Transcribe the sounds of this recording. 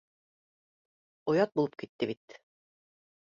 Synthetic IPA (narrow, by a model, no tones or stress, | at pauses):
ŏjɑt̪̚bulˠɤp̚kit̪ːɘβit̪